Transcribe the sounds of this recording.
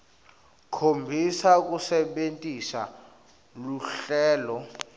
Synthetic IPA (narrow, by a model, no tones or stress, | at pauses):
kʰombʱisak̬usɛɓentʼisa̰ | luɬɛːlɔ